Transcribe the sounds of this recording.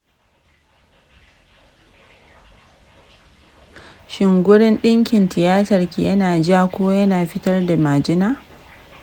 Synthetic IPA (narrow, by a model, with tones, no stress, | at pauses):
ʃɪ˨ŋɡʷʊ˦ɽɪ˦nɗɪ˦ŋkʲɪ˨ntɪ˨jaː˦tɐ˨rkʲḭ˨jʔɐ˦naː˨d͡ʒa˦kʷoː˦jɐ˦naː˨ɸɪ˦tɐ˦rda˨maː˨d͡ʒɪ˦naː˦